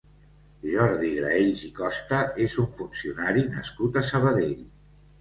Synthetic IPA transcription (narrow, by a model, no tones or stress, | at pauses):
ʒɔɾðiɣɾa̰eʎzikɔst̪əezuɱfunsiunaɾinə̰skut̪əsəβəðeʎ